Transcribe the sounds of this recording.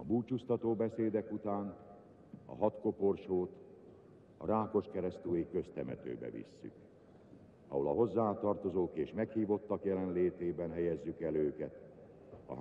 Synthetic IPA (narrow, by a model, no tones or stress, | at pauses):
ɒbuːt͡ʃust̪ɒt̪oːbɛseːd̪ɛkut̪aːn | ɒ̰ɦɒt̪ko̞po̞rʃoːt̪ | ɒ̰ɾaːko̞ʃkɛɾɛst̪yːjikø̞st̪ɛmɛ̰t̪ø̰ːbɛ̰vḭsːy̰k | ɒ̰ɦo̞lɒ̰ɦo̞zːaːt̪ɒrt̪o̞zoːkeːʃmɛkhiːvo̞t̪ːɒkjɛlɛnleːt̪eːbɛnɦɛjɛzːykɛløːkɛt̪ | ɒ̰